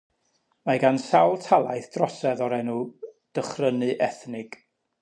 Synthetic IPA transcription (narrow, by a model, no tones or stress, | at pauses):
maɡansawlˠtʰalˠajθd̥rɔsɛðɔɾɛnuːd̥əχrənɨʔɛθnɪɡ̥